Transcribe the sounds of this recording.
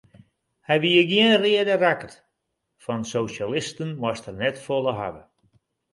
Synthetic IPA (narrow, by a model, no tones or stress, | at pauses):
hɛjʋiəɡjiənrɪədərakət | fɔnsowsalɪstənmɔstərnɛtfolˠəɦa̰ʋə